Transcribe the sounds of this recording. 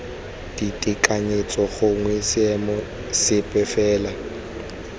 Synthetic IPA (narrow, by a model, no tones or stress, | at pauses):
d̥itʼikʼaɲet͡sʼɔɣʊŋwisɛmɔ | sɪpʼɛfɛːla